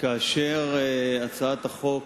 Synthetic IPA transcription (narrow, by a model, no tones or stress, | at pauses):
kaːʃeʁat͡saat̪aχo̞k